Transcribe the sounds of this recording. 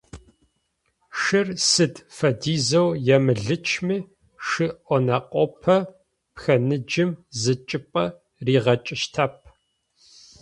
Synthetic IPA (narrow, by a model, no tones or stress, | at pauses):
ʂɨrsɨdʰfɐdiːzɐwjɛmɨɮɨt͡ʃʰmiː | ʂɨʔʷɔnɐqʷʼɔpʰɐ | pxɐnɨd͡ʒɪmzɨt͡ʃʼɪpʼɐ | riːʁɐt͡ʃʼɪʃtʰap̚ʰ